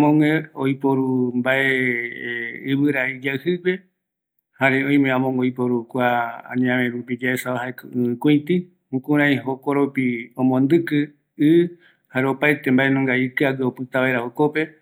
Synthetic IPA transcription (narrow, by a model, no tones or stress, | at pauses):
amõŋẽojpoɾumbaʔe | ɨβɨɾaid͡ʒaɨhɨke | haɾeõj̃mẽãmõŋeojpoɾukʷaã̰ɲãβẽɾupid͡ʒaesaʋaɦaekɨɨ̃kʷĩt̪ɨ | ũkũɾãĩɦokoɾopiõmõnd̪ɨkɨ | ɨ | haɾeopajt̪embae̞nõŋɡaikɨaɡɨopɨt̪aβaeɾaokope̞